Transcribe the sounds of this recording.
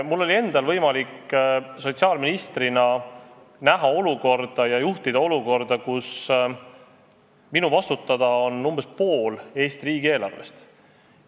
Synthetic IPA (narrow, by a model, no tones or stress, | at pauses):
mulːo̞lʲie̞nd̪̥ɑlvɤjmɑlikːso̞t̪siɑːlminist̪rinɑ | næɦɑo̞luko̞rd̪̥ɑjɑjuht̪id̪̥ɑo̞luko̞rd̪ɑkus | minuvɑst̪ut̪ːˑɑd̪̥ɑo̞nːumb̥espo̞ːle̞ːst̪iriːɡie̞ːlɑ̰rvḛst̪